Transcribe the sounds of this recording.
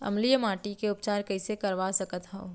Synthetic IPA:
ɐ̰mlijəmaːʈikeʊpt͡ʃaːɾkɐisekɐɾʋasɐkət̪ɦɛ̃o

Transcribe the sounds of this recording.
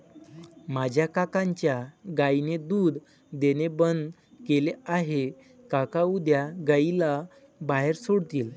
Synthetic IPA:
mad͡ʑʱjakakãɲt͡ɕjaɡajned̪uːd̪ | d̪enebənd̪ | keleaɦe | kakaud̪jaɡaila | baɦeɾsoɽt̪iːl

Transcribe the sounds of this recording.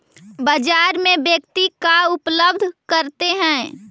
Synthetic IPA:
bəd͡ʒaːɾmẽbjəkt̪ikaʊpləb̚d̪ʱkəɾt̪eɦɛ̃ː

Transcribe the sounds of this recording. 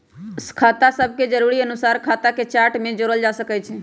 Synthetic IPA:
skʰat̪asəb̚ʱked͡ʒəɾuɾiənusaɾkʰat̪aket͡ʃaɾʈmẽd͡ʒoɾəld͡ʒasəkɛt͡ʃʰɛ

